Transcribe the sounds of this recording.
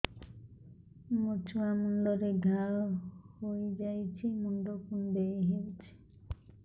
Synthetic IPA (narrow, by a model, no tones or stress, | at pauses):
mot͡ʃuamunɖɔɾeɡʱaɭhojd͡ʒajt͡ʃʰimunɖokunb̪eɦewt͡ʃʰi̥